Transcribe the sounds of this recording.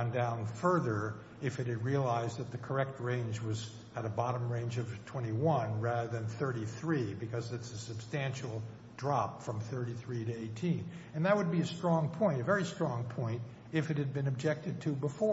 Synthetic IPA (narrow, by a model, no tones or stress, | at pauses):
ndãʊ̃nfɜ˞ðə˞ | ɨfɨt̚hɨd̚ɹiəlaɪzðɨt̪̚ðɨkʰə˞ɛk̚t̚ɹẽɪ̃nd͡ʒwʌz | ɨɾɨbɑɾə̃mɹẽɪ̃nd͡ʒʌv̥tʰw̥ɛ̃ɾ̃iwʌ̃nɹæðə˞ðɨ̃nθɜ˞ɾiθɹibɨkʰʌzɨtsɨsɨb̥stæ̃nʃl̩ˠ | dɹɑpfɹʌ̃mθɜ˞ɾiθɹiɾɨeɪtʰĩn | ɨ̃nðɨt̚wəd̚biɨstɹ̥ɔ̃ŋpʰɔ̃ɪ̃ntɨvɛɹistɹ̥ɔ̃ŋpʰɔ̃ɪ̃nt | ɨfɨt̚hɨd̚bɨ̃nɨb̚d͡ʒɛk̚tɨd̚tʰɨbəfɔ